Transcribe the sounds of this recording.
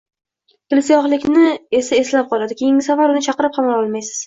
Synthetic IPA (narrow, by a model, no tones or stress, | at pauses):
t̪ʰʲɪlsijɒχlˠɪkʲnɪe̞sae̞slap̚qʰɒlˠad̪ɪkʲʰejɪŋʲɪsavaɾʊnɪt͡ʃʰɑqɨɾɪp̚qʰɑmalˠɒlˠmajsɪ̥z̥